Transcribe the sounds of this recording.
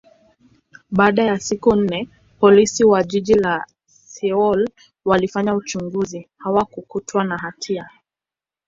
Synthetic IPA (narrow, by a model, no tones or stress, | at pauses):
ɓaːɗajasikun̩nɛ | pɔlisiwaʄiʄila | sɛɔl | walifaɲaut͡ʃuŋɡuzihawakukutʰwanaɦatʰia